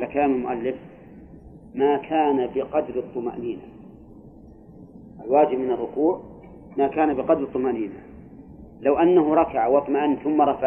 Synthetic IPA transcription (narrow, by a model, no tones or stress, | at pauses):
alakalaːmɪlmʊʔalːɪf | maːkʰaːnabɪqɑd̪ɾɨt̪ˤːʊma̰ʔniːna | ʔalwaːd͡ʒɪbmɪnɪrˤːʊkuːʕ | makaːnabɪqɑd̪ɾt̪ˤːʊmaʔniːna | lawʔanːaɦʊɾˤɑkaʕawɑt̪ˤmaʔanːθʊmːɑɾˤɑfa